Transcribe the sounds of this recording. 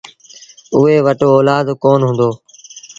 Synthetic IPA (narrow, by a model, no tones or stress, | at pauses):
ʊɦeːʋəʈoːɔːlaːd̪koːnɦʊ̃nd̪oː